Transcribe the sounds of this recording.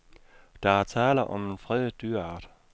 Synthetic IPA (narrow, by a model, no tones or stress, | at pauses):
d̥ɑ̈æɐt͡sʰɛːlɐʔɒ̽me̝nfʁɛð̰ˠd̥yɐɑ̈ːd̥